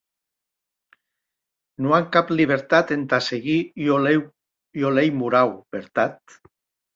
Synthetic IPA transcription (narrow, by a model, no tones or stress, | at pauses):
nuaŋkapliβ̞eɾt̪at̪ent̪aseɣiow | jolejmuɾawbeɾt̪at̪̚